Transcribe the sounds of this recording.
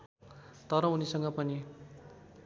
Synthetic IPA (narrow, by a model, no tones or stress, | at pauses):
t̪ʌɾʌunisʌŋɡʌpʌni